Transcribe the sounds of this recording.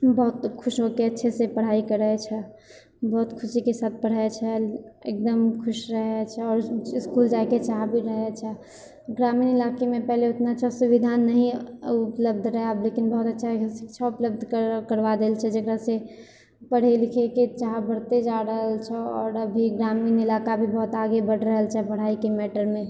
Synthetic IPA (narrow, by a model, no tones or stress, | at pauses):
bɔɦʊt̪kʰʊʃɦokeətːʃʰesepəɽ̤aikəɾɛt͡ʃʰɛ | bɔɦut̪kʰʊsikesaːt̪̚ʰpəɽ̤et͡ʃʰɛek̚d̪əmkʰʊʃɾəɦɛt͡ʃʰɛɔːɾskuld͡ʒaeket͡ʃaɦbʱiɾəɦɛt͡ʃʰɛ | ɡɾaminɪlakemẽpɛɦleʊt̪nat͡ʃʰasubid̪ʱanːəɦĩʊpləb̚d̪ʱɾəɦɛablekinbɔɦut̪ətːʃʰaesi̥kt͡ʃʰaupləbd̪ʱkkəɾʋad̪elt͡ʃʰɛd͡ʒəkɾase | pəɽ̤elikʰeket͡ʃaɦbəɽt̪ed͡ʒaɾəɦəlt͡ʃʰɛɔːɾəbʱiɡɾaminɪlakabʱibɔɦʊt̪aɡebəɽ̤ɾəɦəlt͡ʃʰɛbəɽ̤aːikemeʈəɾmẽ